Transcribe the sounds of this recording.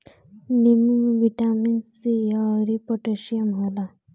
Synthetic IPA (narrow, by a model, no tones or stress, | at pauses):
nimʋiʈaminsiaɾipɔʈeʃiəmɦola